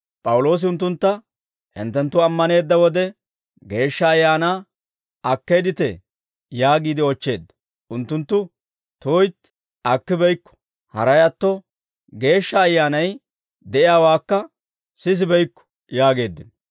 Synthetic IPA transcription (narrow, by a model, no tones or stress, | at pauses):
pʼɐwʊlo̞ːs̬ɪʊnt̪ːʊnt̪ːɐ | hɪ̰nt̪ːɛnt̪ːʊɐmːɐne̞ːd̪ːɐwɔd̪ɛ | ɡe̞ːʃːɐːjːaːnaː | ɐkːeːd̪ɪt̪ɛ | jaːɡiːd̪ɪɔt͡ʃːe̞ːd̪ːɐ̥ | ʔʊnt̪ːʊnt̪ːʊ | t̪oːjt̪ | ɐkːɪbɛjkːɔ̥ | hɐɾɐjɐt̪ːɔ | ɡe̞ːʃːɐːjːaːnɐj | d̪ɛʔɪjaːwaːkːɐ | sɪs̬ɪbɛjkːɔ̥ | jaːɡe̞ːd̪ːɪn